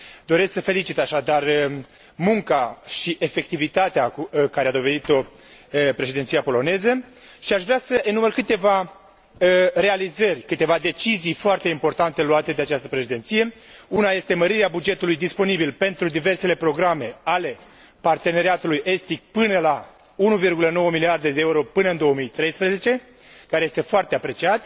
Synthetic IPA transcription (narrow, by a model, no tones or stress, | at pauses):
d̪o̞ɾe̞sksəfe̞lit͡ʃit̪aʃad̪ar | muŋkaʃiʔe̞fe̞k̚t̪ivit̪at̪eakaɾead̪o̞ve̞d̪it̪o̞ | pɾe̞ʃed̪ent̪sijapo̞lo̞ne̞zəʃiaʃvɾeasəʔinumərkɨt̪e̞va | re̞alizərʲkɨt̪e̞vad̪e̞t͡ʃizijfoart̪e̞impo̞rt̪ant̪e̞luat̪e̞d̪e̞at͡ʃast̪əpɾeʃed̪ent̪sije̞unaje̞st̪e̞məɾiɾeabud͡ʒe̞t̪ulujd̪ispo̞nibilpe̞nt̪ɾud̪ive̞rse̞le̞pɾo̞ɡɾame̞ale̞ | part̪e̞neɾiat̪ulujʔe̞st̪ik̚pɨnəla | unuvirɡuləno̞wəmiliard̪e̞d̪eeuɾo̞pɨnəɨnd̪o̞əmijt̪ɾe̞jspɾeze̞t͡ʃe̞ | kaɾejest̪e̞foart̪eapɾe̞t͡ʃiat̪